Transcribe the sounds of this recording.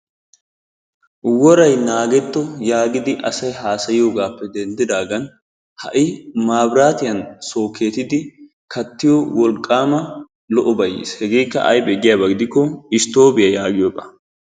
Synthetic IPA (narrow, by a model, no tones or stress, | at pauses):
wɔɾɐjnaːɡɛt̪ːɔjaːɡɪd̪ɪʔɐsɐjɦaːsɐjɪjo̞ːɡaːpːɛd̪ɛnd̪ɪd̪aːɡɐn | hɐ̰ʔɪmaːbɾaːt̪ɪjɐnso̞ːkʰːe̞ːt̪ɪd̪ɪ | kɐt̪ːɪjowɔlkʼːaːmɐ | lɔʔɔbɐjːḭshɛɡe̞ːkːɐ̰ʔɐ̰jbɛɡɪjaːbɐɡɪd̪ɪkːɔɪst̪o̞ːbɪjɐjaːɡɪjɔːbɐ